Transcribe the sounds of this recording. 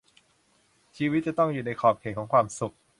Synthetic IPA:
t͡ɕʰiː˧wi˦˥t̪̚t͡ɕa˨˩t̪ɔ˥˩ŋjuː˨˩na˧jkʰɔː˨˩p̚kʰeː˨˩ŋkʰɔː˩˦ŋkʰwaː˧msu˨˩k̚

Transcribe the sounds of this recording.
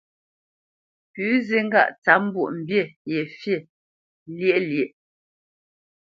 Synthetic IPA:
pʉː˨˦ze˦ŋ̩˦ɡa̰˦˨ʔt͡sa˨˦m̩˦bwṵ˦˨ʔm̩˨bje˦˨je˨fje˦˨ | lje˦ʔlje˨ʔ

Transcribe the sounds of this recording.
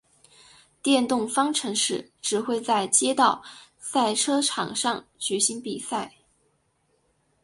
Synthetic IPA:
t̪jɛ˥˧nt̪ʊ˥˩ŋfɑ˥ŋʈ͡ʂʰɤ˧˥ŋʂɻ̩˥˩ | ʈ͡ʂɻ̩˨˩xwe˥˧ɪt͡sa˥˩ɪt͡ɕjɛ˥t̪ɑ˥˧ʊ | sa˥˩ɪʈ͡ʂʰɤ˥ʈ͡ʂʰɑ̰˨˩ŋʂɑ˥˧ŋt͡ɕy˧˥ɕi˧˥ŋpi˨˩sa˥˩ɪ

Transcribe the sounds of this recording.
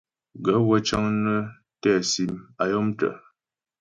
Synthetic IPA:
ɡə˨˦wə˦t͡ʃa˦ŋnə˦ | tɛ˦˨si˨ma˨jɔ˦mtə̰˨

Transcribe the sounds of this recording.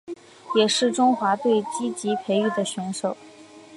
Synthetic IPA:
jɛ˨˩ʂɻ̩˥˩ʈ͡ʂʊ˥ŋxwa˧˥t̪we˥˩ɪt͡ɕi˥t͡ɕi˧˥pʰe˧˥ɪy˥˩d̪ə˩ɕɥɛ˧˥nʂo˨˩˦ʊ

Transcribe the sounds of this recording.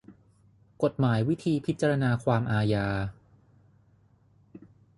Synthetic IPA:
ko˨˩t̪̚maː˩˦jwi˦˥t̪ʰiː˧pʰi˦˥t̪̚t͡ɕa˧ɾa˧naː˧kʰwaː˧mʔaː˧jaː˧

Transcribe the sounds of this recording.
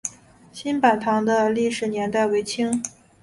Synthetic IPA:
ɕi˥npa˨˩nt̪ʰɑ˧˥ŋd̪ə˧li˥˩ʂɻ̩˨˩njɛ˧˥nt̪a˥˩ɪwe˧˥ɪt͡ɕʰi˥ŋ

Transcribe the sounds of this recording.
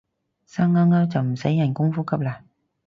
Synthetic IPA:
saː˧˥ŋːaː˧˥ŋaː˧˥wt͡sɐ˨˩m̩˨˩sɐ˨˥jːɐ˨˩nkʊ˥ŋfuː˦˥kɐ˧˥p̚laː˨˩

